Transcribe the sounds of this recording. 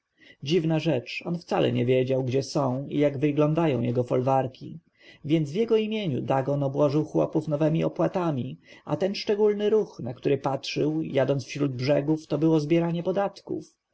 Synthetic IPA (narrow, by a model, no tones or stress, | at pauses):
d͡ʑivnaʐɛt͡ʂɔnft̪salʔɛ̰ɲɛvʲjɛd͡ʑawɡd͡ʑɛsɔ̃w̃ḭjaɡvɘɡlɔ̃nd̪ajɔ̃w̃jɛɡɔfɔlvaɾkʲḭ | vʲjɛnd̪zvjɛɡɔimʲjeɲṵd̪aɡɔnɔbwɔʐɘwxwɔ̰pufnɔvɛmʲiɔpwat̪amʲia̰t̪ɛnʂt͡ʂɛɡulnɘɾuxnak̚t̪uɾɘpatʂɘwjad̪ɔnsfɕɾud̪̚bʐɛɡuft̪ɔbɘwɔzbʲjɛɾaɲɛpɔd̪at̪kṵf